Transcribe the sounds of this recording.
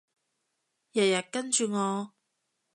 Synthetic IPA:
jɐ˨˩jɐ˨t̚kɐ˥nt͡ʃyː˨˧ŋɔː˨˧

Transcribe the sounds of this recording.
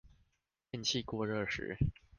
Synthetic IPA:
jɛ˥˧nt͡ɕʰi˥˧kwɔ˥˧ɻɤ˥˩ʂɻ̩̰˨˧˥

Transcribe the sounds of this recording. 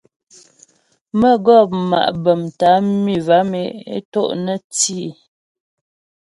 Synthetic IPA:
mə˦ɡɔ˦˨p̚ma̰˨ʔbə˨mta˨˦mi˨va˨˦me˨˦ḛ˦to̰˦ʔnə˦ti˦˨

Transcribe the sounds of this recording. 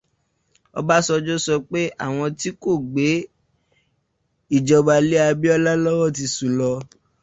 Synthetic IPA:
ɔ̰˧ba˦sɔ˧d͡ʒo˦sɔ˧k͡pe˦ʔa̰˦˨w̃ɔ̃˧ti˦ko˦˨ɡ͡be˨˦ | i˦˨d͡ʒɔ˧ba˧le˦a˧bi˦ɔ˦la˦lɔ˦wɔ˦˨t̬i˧sũ˨lɔ˧

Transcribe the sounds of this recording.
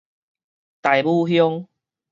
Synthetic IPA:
t̪a˨jbu˥˧ɦjɔ˦ŋ

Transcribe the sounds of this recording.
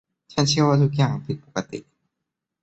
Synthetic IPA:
t͡ɕʰa˦˥nt͡ɕʰi˥˧waː˧t̪ʰu˦˥k̬̚jaː˨˩ŋpʰi˨˩t̪̚po̥˨˩ka˧t̪ḭ˨˩ʔ

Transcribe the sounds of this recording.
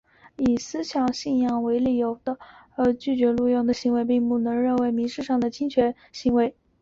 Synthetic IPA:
i˨˩sɹ̩˥ɕjɑ˨˩ŋɕi˥˧njɑ˥˩ŋwe˧˥ɪli˨˩jo˧˥ʊd̪ə˧ | ə˧˥t͡ɕy˥˩t͡ɕɥɛ˧˥lu˥˧jɑ˥˩ŋd̪ə˩ɕi˧˥ŋwe˧˥ɪpi˥˧ŋpu˥˩nɤ˧˥ŋɻə˥˩nwe˧˥ɪmi˧˥ʂɻ̩˥˧ʂɑ˥˩ŋd̪ə˩t͡ɕʰi˥ŋt͡ɕʰɥɛ˧˥n | ɕi˧˥ŋwe˧˥ɪ

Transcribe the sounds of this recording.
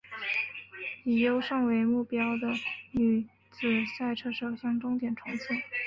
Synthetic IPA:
i˨˩jo˥ʊʂɤ˥˩ŋwe˧˥ɪmu˥˩pjɑ˥ʊd̪ə˨ny˨˩ | t͡sɹ̩˨˩sa˥˧ɪʈ͡ʂʰɤ˥˩ʂɤ˨˩ʊɕjɑ˥ŋʈ͡ʂʊ˥ŋt̪jɛ˨˩nʈ͡ʂʰʊ˧˥ŋt͡ɕʰi˥˩n

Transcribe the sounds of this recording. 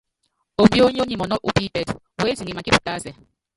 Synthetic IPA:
o˨mbi˦o˦ɲ˦o˦ɲi˦˨mɔ˨nɔ˦ʔu˦pi˦pɛ˨t | we˦zi˨ŋɡi˨ma˨ki˦pu̥˨tʼa˦sɛ˨

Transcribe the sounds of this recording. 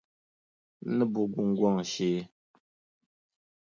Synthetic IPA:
nə˦bu˨ɡu˨ŋ̩˦ɡwɔ˦˨ŋ˨ʃe˦

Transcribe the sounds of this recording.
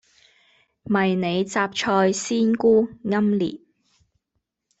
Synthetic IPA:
mɐ˨jne˨˧jt͡saː˧p̚t͡ʃʰɔː˧jsiː˥nkuː˥ŋɐ˥mlḭː˨˩p̚

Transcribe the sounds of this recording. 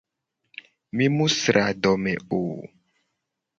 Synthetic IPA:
mĩ˦mu˦sɾa˨dɔ˨mɛ̰̃˨o˨

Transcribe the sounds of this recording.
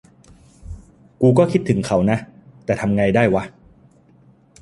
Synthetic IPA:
kuː˧kɔː˥˩kʰi˦˥t̪ʰːɯ˩˦ŋkʰa˩˥wna˦˥ʔt̪ɛː˨˩t̪ʰa˧mŋa˧jdaː˥˩jwa˦˥

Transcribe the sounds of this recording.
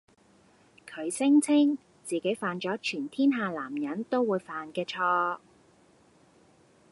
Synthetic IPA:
kʰɵ˨˧ɥsɪ˥ŋt͡sʰɪ˥ŋ | t͡siː˨ke˨˥jfaː˨nt͡ʃɔː˨˥t͡ʃʰyː˨˩nt̪ʰiː˥nɦaː˨laː˨˩mjɐ˨˥nt̪o˥wwuː˨˧jfaː˨nkɛː˧t͡ʃʰɔː˧

